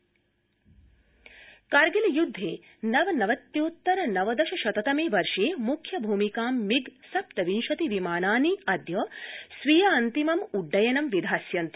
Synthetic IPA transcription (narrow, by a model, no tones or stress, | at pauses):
kɐɾɡilɐjud̪ʱːeː | nɐʋɐnɐʋɐt̪ːjoːt̪ːɐɾɐnɐʋɐd̪ɐʃɐʃɐt̪ɐt̪ɐmeːʋɐɾʂeːmukʰjɐbʱuːmikaːmːiɡsɐp̚t̪ɐʋinʃɐt̪iʋimaːnaːniɐd̪ʱjoːsʋijaːɐnt̪imɐmuɖːɐjɐnɐmʋid̪ʱaːsjɐnt̪i̥